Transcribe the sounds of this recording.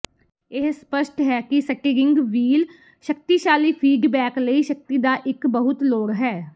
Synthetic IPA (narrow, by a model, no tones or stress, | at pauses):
ɪɦspəʃʈɦɛːkɪsəkeɾɪ̃ŋɡʋiːl | ʃək̚t̪iːʃaːliːpʰiːɖbɛːkləiːʃək̚t̪iːd̪aːʔɪkbəɦʊt̪loːɽɦɛː